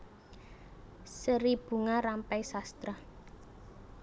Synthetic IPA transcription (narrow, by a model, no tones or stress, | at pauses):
səɾib̥ṳŋaɾampɛjsast̪ɾa